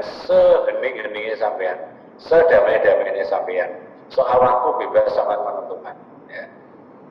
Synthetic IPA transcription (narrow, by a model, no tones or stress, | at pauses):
nsəɦənɪŋɡənɪŋnesampejan | səd̥a̤mad̥a̤menesampejan | soʔawakub̥ebasaŋat̪̚mənənt̪ukan | ja